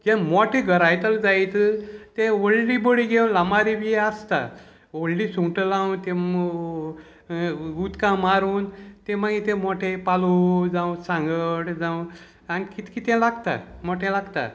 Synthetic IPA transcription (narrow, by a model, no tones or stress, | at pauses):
ɡɛmɔʈʰẽɡʱəɾajt̪əld͡zajt͡st̪ẽoɭɖiboɽiɡewnlamaɾibiəst̪a̰ | oɭɖisuŋʈəlawt̪e | ɡut̪kãmaɾuːnt̪emaɡit̪ẽmoʈʰepalud͡zãũsãŋɡəʈd͡zãw̃ | anikit̪kit̪ẽlaɡt̪a̰mɔʈʰẽlaɡt̪a̰